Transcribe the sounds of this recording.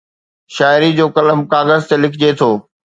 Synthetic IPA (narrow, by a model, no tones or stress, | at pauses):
ʃaːɪɾid͡ʑoːkɐləmkaːɣəzt̪elɪkʰɪd͡ʑet̪ʰoː